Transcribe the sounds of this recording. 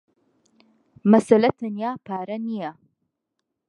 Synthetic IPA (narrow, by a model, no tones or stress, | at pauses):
mɐsɐlɐt̪ʰɐnjaːpʰaːɾɐnijɐ